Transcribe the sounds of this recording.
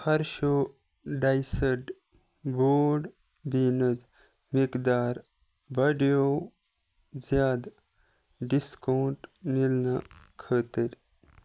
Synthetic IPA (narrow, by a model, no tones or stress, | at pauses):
hɐɾʃo | ɖajsəʈ | boːɖ | binəd͡z | mikd̪aːɾ | bəɽjow | d͡zjaːd̪ | ɖiskɐwɳʈmilnakʰət̪əɾʲ